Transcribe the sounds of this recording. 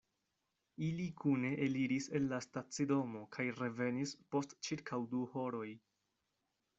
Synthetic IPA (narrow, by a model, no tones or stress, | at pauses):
ilikʰune̞ʔeliɾise̞nlastat͡sido̞mo̞kʰajɾe̞ve̞nispo̞stt͡ʃiɾkʰawduho̞ɾo̞j